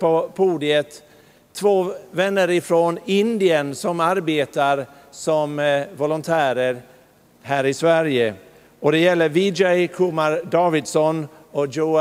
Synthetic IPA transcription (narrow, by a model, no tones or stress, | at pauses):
pɔpʰuːd̪ɪət̪ʰː | voːvɛnːəɾɪfɾonɪnd̪ɪənsɔmaɾbeːt̪aɾ | sɔmvɔlʊnt̪ʰæːɾəɾ | hæːɾɪsvæɾjə | ɔd̪ɛjɛlːəɾvɪd͡ʒɛjkʰumaɾd̪ɑːvɪd̪sɔn | ɔjuː